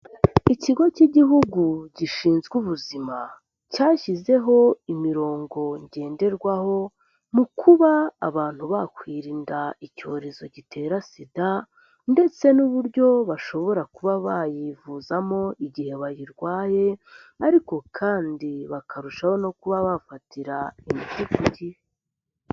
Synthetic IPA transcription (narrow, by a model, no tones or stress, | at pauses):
iciɡo̞ciɟiɦuɡuɟiʃiːnzɡuβuzima | caːçize̞ɦo̞imiɾo̞ːŋɡo̞ɲɟe̞ːnde̞ɾɡwaho̞ | mukʰuβaa̰βaːn̥huβakwiːɾiːndaico̞ːɾe̞zo̞ɟitʰe̞ːɾasida | nde̞t͡se̞nuβuɾɟo̞βaʃo̞βo̞ɾakuβaβajivuzamo̞iɟihe̞βajiɾɡwaːje̞ | aɾiko̞kʰaːndiβakʰaɾuʃaho̞no̞kuβaβafatiɾaimitikuɟih